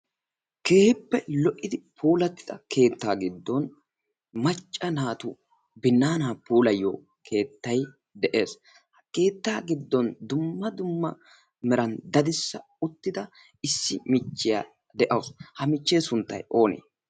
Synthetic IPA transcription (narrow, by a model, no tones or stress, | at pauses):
ke̞ːhɪpːɛlɔʔːɪd̪ɪpʰuːlɐt̪ːɪd̪ɐkʰe̞ːt̪ːaːɡɪd̪ːɔn | mɐt͡ʃʼːɐnaːt̪u | bɪnːaːnaːpuːlɐjːo̰ː | kʰe̞ːt̪ːɐj | d̪ɛʔe̞ːs | ke̞ːt̪ːaːɡɪd̪ːɔnd̪ʊmːɐd̪ʊmːɐ | mɛɾɐnd̪ɐd̪ɪsːɐ | ʊt̪ːɪd̪ɐ | ɪsːɪmɪt͡ʃːɪja̰ː | d̪ɛʔɐwʊshɐmɪt͡ʃːe̞ːsʊnt̪ːɐ̰jo̞ːnḛː